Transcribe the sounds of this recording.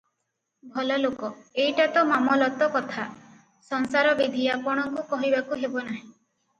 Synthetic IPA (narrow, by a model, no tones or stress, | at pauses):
bʱɔlɔlokɔejʈat̪ɔmamɔlɔt̪ɔkɔt̪ʰa | sɔŋsaɾɔbid̪ʱiapɔɽ̃ɔŋkukɔɦibakuɦebɔnaɦĩ